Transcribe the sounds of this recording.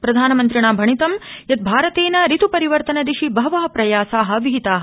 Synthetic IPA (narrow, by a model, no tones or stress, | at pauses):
pɾɐd̪ʱaːnɐmɐnt̪ɾiɳ̃aːbʱɐɳit̪ɐmjɐt̪̚bʱaːɾɐt̪eːnɐɾit̪upɐɾiʋɐɾt̪ɐnɐd̪iʃibɐʋɐːɦɐpɾɐjaːsaːɦɐ̆ʋiɦit̪aːɦɐ